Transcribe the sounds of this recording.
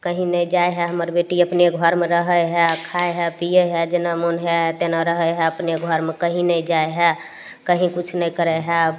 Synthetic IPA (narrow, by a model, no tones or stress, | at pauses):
kəɦĩnəjd͡ʒajɦɛɦəməɾbeʈiəpneɡʱəɾmeɾəɦəɦɛkʰaeɦɛpijɛɦɛd͡ʒenamunɦɛt̪enaɾəɦəɦɛəpneɡʱəɾmekəɦĩnəid͡ʒaeɦɛ | kəɦĩkut͡ʃʰnəkəɾɛɦɛ